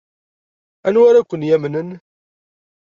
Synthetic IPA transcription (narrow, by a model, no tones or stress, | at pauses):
ænwaɾækʷːənjæmnən